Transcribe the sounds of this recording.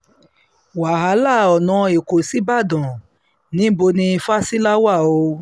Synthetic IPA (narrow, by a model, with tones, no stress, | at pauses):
wa˨ɦa˨˦la˦˨ɔ˨nɔ̃˨˦e˨ko˨si˦ba˦˨dɔ̃˨ | nĩ˨˦bo˧nĩ˧fa˦si˦la˦wa˦˨o˧